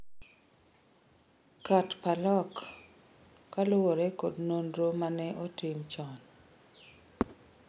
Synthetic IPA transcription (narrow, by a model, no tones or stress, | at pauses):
katpalɔk | alʊwoɾɛkodnonɾomanɛʔotɪmt͡ʃɔn